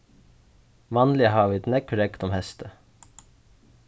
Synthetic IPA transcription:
ʋɑːnlɪəhɑːʋɪt̪nɛkʰːʊɾɛkt̪ɔmhɛst̪ə

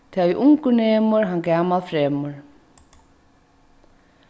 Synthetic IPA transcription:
t̪ʰaviʔʊŋkʊnɛːmʊɾɦankaːmalfɾɛːmʊɾ

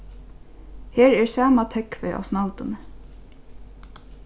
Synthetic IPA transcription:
heːɹɛɹsɑːmat̪ʰɛkfœʏʔa̰snɑlt̪ʊnə

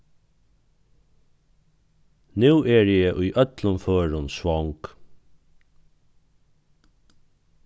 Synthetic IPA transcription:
nʉːɛɹjɛːʔʊjʔœt̪lʊmføːɹʊnsʋɔŋk

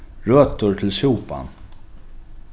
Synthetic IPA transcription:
ɹøːt̪ʊɹt̪ʰɪlsuːpa̰n

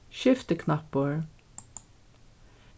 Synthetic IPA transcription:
ʃɪft̪əkʰnapəɹ

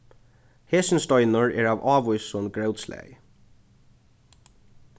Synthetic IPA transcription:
heːsɪnst̪ɔjnʊɹɛɹaːʋɑːʋujsʊnɡɹœwt̪slɛ̰j

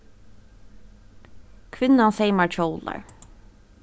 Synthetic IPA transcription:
kʰʋɪnɑnseɪmɑɹt͡ʃʰoʊlə̰ɹ

